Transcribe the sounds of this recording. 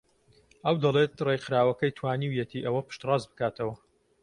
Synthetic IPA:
ʔɐwd̪ɐlˠet̪rejxɨɾaːwɐkɐjt̪ʰwaːniːwjɛt̪ʰiːʔɐwɐpɨ̥ʃt̪rɑzbɨkaːt̪ʰɐwɐ

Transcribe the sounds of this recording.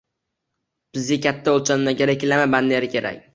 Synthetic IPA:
b̥ɪzɡʲakʲʰat̪ʰːaolt͡ʃʰannaɡʲeɾakʲlamaband̪eɾɪkʲe̞ɾa̰k̚ʲ

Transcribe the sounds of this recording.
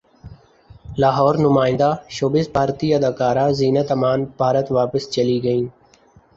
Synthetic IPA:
laːɦɔːɾnʊmaːɪ̃nd̪aːʃoːbɪsbʱaːɾt̪iːəd̪aːkaːɾaːziːnaːt̪əmaːnbʱaːɾət̪ʋaːpəst͡ʃəliːɡəĩː

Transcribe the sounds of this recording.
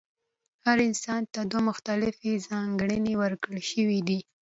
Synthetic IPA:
haɾɪnsɑnt̪ad̪wamʊxt̪alɪfezɑŋɡɽənewəɾkɽəlʃəwid̪i

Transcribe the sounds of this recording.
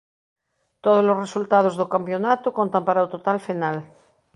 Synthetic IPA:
t̪oðozlosresult̪að̞ozðokampjonat̪okont̪ampaɾaot̪ot̪alfinal

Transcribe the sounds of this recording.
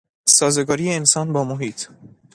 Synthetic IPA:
sɒːzeɡɒːɾijeensɒːnbɒːmoɦiːt̪ʰ

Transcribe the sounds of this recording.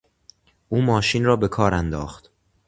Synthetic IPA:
ʔuːmɒːʃiːnrɒːbe̞kʰɒːɾænd̪ɒːxt̪

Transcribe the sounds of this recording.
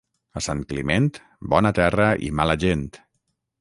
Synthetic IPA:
əsaŋkliment̪ | bɔnət̪ɛrəʔḭmaləʒent̪

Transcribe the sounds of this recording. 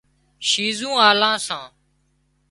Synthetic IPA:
ʃiːzũːaːlãːsãː

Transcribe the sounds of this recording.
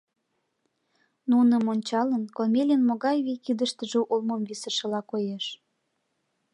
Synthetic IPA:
nunəmonʲt͡ɕɑlənkomʲelʲənmoɣɑjβijkid̪ə̆ʃt̪ə̆ʒĕʔulmomvisə̆ʃə̆lɑkojeʃ

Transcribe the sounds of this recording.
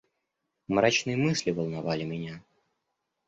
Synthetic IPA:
mɾat͡ɕnɨjəmɨsʲlʲivəlˠnavalʲɪmʲɪnʲa

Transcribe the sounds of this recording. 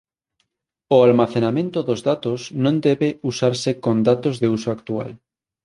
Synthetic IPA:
oalmaθenamẽnt̪oðozðat̪osnõnd̪eβeusaɾsekõnd̪at̪ozðeusoak̚t̪ua̰l

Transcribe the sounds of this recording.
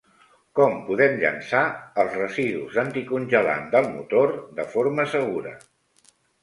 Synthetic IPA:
kɔmpuðɛmʎə̰nsaəlˠzrəziðuzənt̪ikunʲʒəla̰nd̪əlˠmṵt̪oɾd̪əfoɾməsəɣuɾə

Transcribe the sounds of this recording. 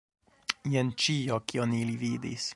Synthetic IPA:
jent͡ʃiokionilivid̪ḭs

